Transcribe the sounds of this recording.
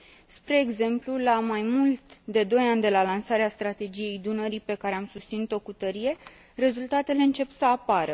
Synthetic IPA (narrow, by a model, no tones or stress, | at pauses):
spɾe̞ːɡze̞mplulamajmult̪d̪e̞d̪o̞janʲd̪e̞lalansaɾeast̪ɾat̪e̞d͡ʒije̞jd̪unəɾipe̞kaɾe̞amsust̪sinut̪o̞kut̪əɾije̞ | re̞zult̪at̪e̞le̞ɨnt͡ʃe̞psəapaɾə